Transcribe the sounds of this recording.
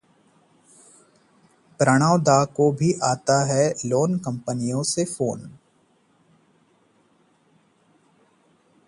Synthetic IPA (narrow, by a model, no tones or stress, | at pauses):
pɾəɽ̃aːʋd̪aːkobʱiʔaːt̪aɦɛloːnkɐ̃mpənijõsefoːn